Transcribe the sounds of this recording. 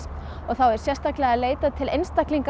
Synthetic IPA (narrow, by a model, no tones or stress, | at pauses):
ɔɣθawɛɾ̥sjɛrst̪aklɛɣaleːjt̪at̪ʰɪlejnst̪akliŋk